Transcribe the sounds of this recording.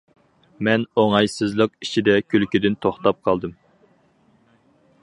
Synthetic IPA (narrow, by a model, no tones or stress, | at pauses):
mɛnoŋɑjsɨzlˠəq̚i̥t͡ʃʰid̪ɛkʲʰylkʲid̪ɪnt̪ʰoχt̪ɑp̚qʰɑlˠd̪ɨm